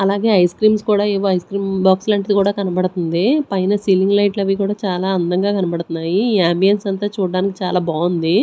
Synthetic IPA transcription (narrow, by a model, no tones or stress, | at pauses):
ɐlaːɡe̞ːɐjskɾiːmskuːɽaːeːʋoːɐjskɾiːmbaːkslɐɳʈɐd̪ikuːɽaːkɐnɐbɐɽt̪und̪ipɐjnɐsiliŋɡlɐjʈlɐʋikuːɽaːt͡ʃaːlaːɐnd̪ɐŋɡaːkɐnɐpɐɽt̪unːaːjiaːmbijɐnsɐnt̪ɐːt͡ʃuːɖaːniki̥t͡ʃaːlaːbaːund̪i